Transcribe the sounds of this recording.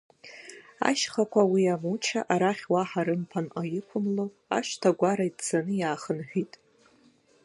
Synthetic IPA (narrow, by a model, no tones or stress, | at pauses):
a̰ʃχakʷʰawiamut͡ʃʰa̰ʔaɾaχʲwaħaɾɨmpʰanqʼajɪkʷʰʊmlo | a̰ʃtʰaɡʷaɾaidd͡zanɨjaːχənħʷᶣitʼ